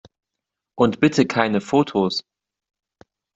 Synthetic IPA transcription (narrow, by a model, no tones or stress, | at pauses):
ʔʊntb̥ɪtʰəkʰaɪnəfoːtʰos